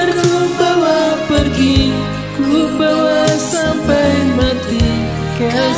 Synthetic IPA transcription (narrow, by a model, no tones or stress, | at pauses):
ərkubawapərɡi | kubawasampajmat̪i | ka